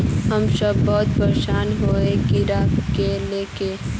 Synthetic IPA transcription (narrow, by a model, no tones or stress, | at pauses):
ɦəmsəbːɔːt̪pəɾʃaːnɦoːekɪɾakeleːke